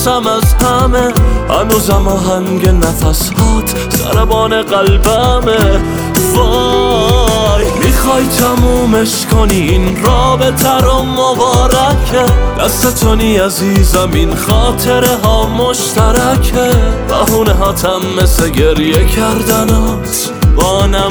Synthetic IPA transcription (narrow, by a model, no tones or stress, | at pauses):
sæmæzhæmehæ̰nuːzæmɒːɦæŋɡenæfæshɒːt̪ʰ | sæ̰ɾæbɒːne̞ɣælbæme | væ | jmiːxɒːjt̪ʰæmuːme̞ʃkʰoninɾɒːbet̪ʰæɾomobɒːɾækʰed̪̥æst̪et̪ʰoniːæziːzæminχɒːt̪ʰe̞ɾeɦɒːmoʃt̪ʰæɾækʰevæ̰huːneɦɒːt̪ʰæmːeseɡe̞ɾjekʰæɾd̪ænɔ | t̪ | bɒːnæ